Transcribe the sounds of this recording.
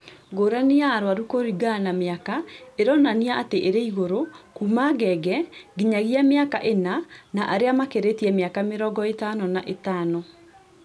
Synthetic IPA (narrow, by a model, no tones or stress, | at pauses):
ɣoɾaniaːɾwaɾukoɾiɡanameakaeɾɔnaniaateʔeɾeiɣoɾokumaɡɛɡɛɡiɲaɣiameaka̰ʔenanaʔaɾeamakeɾetiɛmeakameɾɔɡɔetanɔnaʔetanɔ